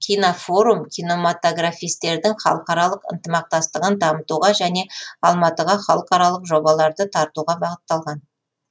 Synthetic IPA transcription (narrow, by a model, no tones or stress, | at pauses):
kʲʰijnofo̞ɾumkʲʰijno̞mat̪o̞ɡrafijst̪e̞ɾd̪ɪŋχɑ̰lˠəqɑɾɑlˠəqə̰nt̪əmɑq̚t̪ɑst̪əʁənd̪ɑmət̪uʁɑʒæne̞ɑlˠmɑt̪əʁɑχɑlˠəqɑɾɑlˠəqʒo̞bɑlˠɑɾd̪ət̪ʰɑɾt̪uʁɑbɑʁət̪ːɑlˠʁɑn